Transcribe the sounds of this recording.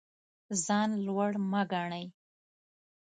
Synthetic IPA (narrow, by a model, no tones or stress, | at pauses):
zɑnlwaɽmaɡɑɳaj